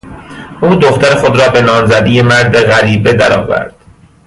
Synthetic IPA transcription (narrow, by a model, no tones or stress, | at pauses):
ʔuːd̪oxt̪ʰæɾexo̞d̪ɾɒːbe̞nɒːmzæd̪ije̞mæɾd̪eɣæɾiːbe̞d̪æɾɒ̰ːvæ̰ɾd̪̥